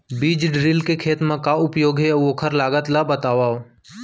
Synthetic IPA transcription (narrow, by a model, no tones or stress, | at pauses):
biːd͡ʒɖɾɪlkekʰeːt̪mãkaʊpjoːɡɦeokʰəɾlaːɡət̪labət̪aːʋaːo